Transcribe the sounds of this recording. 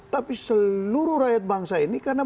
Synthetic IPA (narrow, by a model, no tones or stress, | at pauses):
t̪apisəluɾuɾajat̪̚baŋsainikarna